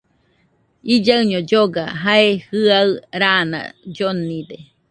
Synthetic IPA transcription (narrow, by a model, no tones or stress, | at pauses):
id͡ʒaɨɲod͡ʒoɡa̰ɦaehɨaɨɾana̰d͡ʒonid̪e